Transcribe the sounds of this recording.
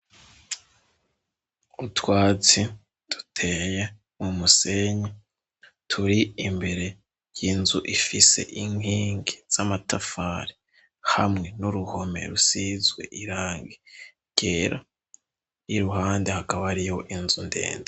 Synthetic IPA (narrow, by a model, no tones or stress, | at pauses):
utwaːt͡si | d̥u̥tʰe̞ːje | mumuse̞ɲa | tʰuɾiimbe̞ɾe̞ | jinzuʔifise̞̰ʔiŋiːŋɡez̥amatafaːɾi | hamŋe̞nuɾuho̞me̞̰ɾusizwe̞̰ʔiɾaːŋɡe | ɡ̥e̞ːɾa | jiɾuɦaːnde̞hakaβaɾijo̞ʔinzunde̞̰ːnda